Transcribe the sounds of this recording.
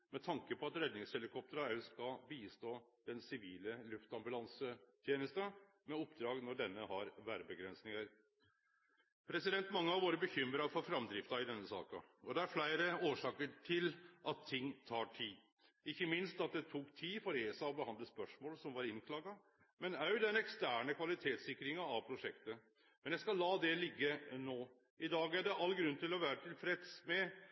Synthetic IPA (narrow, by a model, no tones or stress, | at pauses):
mɛt̪ʰɑŋkəpʰɔɑt̪ɾɛd̪nɪŋshɛlɪkʰɔp̚t̪əɾɑæskɑbiːst̪oːd̪̥ɛnsɪʋiːləlʉft̪ɑmbʉlɑnsət̪ʰjeːnəst̪ə | mɛɔpd̪ɾɑːɡnɔɖɛnːəhɑɾʋæɾbəɡɾɛnsnɪŋɑɾ | pʰɾɛsɪd̪ɛnt̪mɑŋːəɑʋoːɾəbəçʏmɾɑfɔɾfɾɑmd̪ɾɪft̪ɑɪd̪ɛnːəsɑ̰ːkɑɔd̪ɛæɾflæɪɾəoːʂɑːkəʈʰɪlʔɑt̪ʰːɪŋːt̪ʰɑːʈʰiː | ɪçːəmɪnst̪ɑt̪̚d̪ɛt̪ʰuːkt̪ʰiːfɔɾeːsɑɔbəhɑnd̪ləspœʂmoːlsɔmʋɑɾɪnkʰlɑːɡɑ | mɛnɑʉd̪ɛnɛkst̪æːɳəkʰʋɑlɪt̪ʰeːt̪sɪkːɾɪŋɑɑʋpʰɾʊʂɛkt̪ə | mɛnjæɪskɑlːɑːd̪ɛlɪɡːənoː | ʔɪd̪ɑːɡæɖɛʔɑlːɡɾʉnːt̪ɪlɔʋæːɾət̪ʰɪlfɾɛt̪smɛ